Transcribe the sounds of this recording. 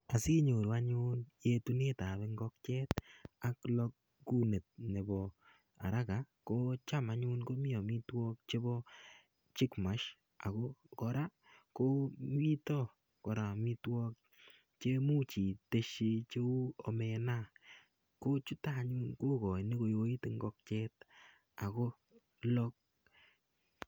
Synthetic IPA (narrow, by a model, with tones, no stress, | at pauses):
a˨si˦ɲo˨ɾa˦ɲu˦nje˦tu˧ne˦ta˨βe˧ŋɡɔ˦kt͡ʃɛ˦ta˦klɔ˦k̚ː | u˦ne˨t̚ne˨bɔ˨ | a̰˨ɾa˦ka˨ | ko˦t͡ʃa˦ma˦ɲu˦nko˦mɪ˦ɔ˨mi˦twɔ˦k̚t͡ʃe˦bɔ˦ | t͡ʃɪ˦kma˨˦ʃ | a˨ko˦kɔ˧ɾa˦ | ko˦mi˦tɔ˦ | kɔ˨ɾa˨mi˦twɔ˦k̚ | t͡ʃe˦mu˦t͡ʃi˨te˦ʃi˧t͡ʃe˦u˦ɔ˨me˨na˦˨ | ko˦t͡ʃu˦taː˦ɲu˦nko˦kɔ˨ni˦ko˨jo˦i˦ti˦ŋɡɔ˦k̚t͡ʃe˦t | a˨ko˦ | lɔ˦k̚